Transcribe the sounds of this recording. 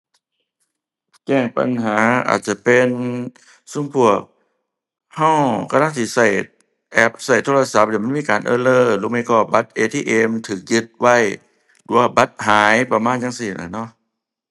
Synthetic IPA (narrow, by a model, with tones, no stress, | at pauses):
t͡ɕɛː˧˩ŋpa̰˨nɦaː˨˦ʔa̰ː˨˩t̪̚t͡ɕa˧˩pe˨n | su˧˥˨ŋpʰu˧˩ək̚ | ha˧˥˩wkʰa˧la˧˥˨t̪ʰiː˧˩sa˧˩j | ʔɛ˦˥p̚sa˨˩jt̪ʰoː˧la˧sa˧˦p̚d̪i˧˩m˧˥˨miː˧˥˨kaː˨nʔɤ̰ː˧˨lɤː˧˩luː˧˥˨mi˧˩kɔː˧˩ba˦t̪̚ʔeː˧t̪ʰiː˧˨ʔe˧mt̪ʰɯː˨˦k̚jɯ˧˦t̪̚wa˧˥˩j | du˧˩˦wa˧˩ba˦t̪̚ɦaː˨˦jpa˧maː˧˥˨nja˧ŋsiː˧˩nʔa̰˨˧˩nɔ˧˥˨ʔ